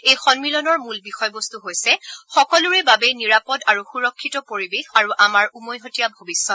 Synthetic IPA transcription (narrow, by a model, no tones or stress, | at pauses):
ejxɔnmilɔnɔɹmulbixɔjbɔst̪uɦojsɛxɔkɔluɹɛbabɛniɹapɔdaɹuxuɹɔkʰːitɔpoɹibexaɹuʔamaɹumɔjɦotijabʱobisːɔt